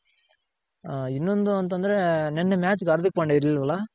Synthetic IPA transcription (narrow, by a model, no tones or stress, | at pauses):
ɪnːond̪ɯɐnt̪ːɐnd̪ɪɾenɛnːɐmaːt͡ʃɯkːɐɾðɯk̚ːpɐɳɖɐɾillʋɐlaː